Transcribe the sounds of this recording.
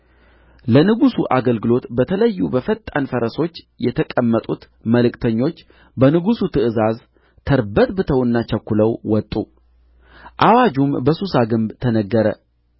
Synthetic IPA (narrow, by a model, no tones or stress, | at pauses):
lənɨɡusuʔaɡəlɡɨlo̞t̪bət̪ʰələjːubəfət̪ʼːanfəɾəso̞t͡ʃː | jɛt̪ʰəkʼəmːət̪ʼut̪ | məlɨkt̪ʰəɲːo̞t͡ʃː | bənɨɡusut̪ʰɨʔɨzaz | t̪ʰəɾbət̪bɨt̪ʰəwɨnːat͡ʃɛkːuləwwɔt̪ʼːu | ʔawad͡ʒumbəsusaɡɨmbt̪ʰənəɡːəɾə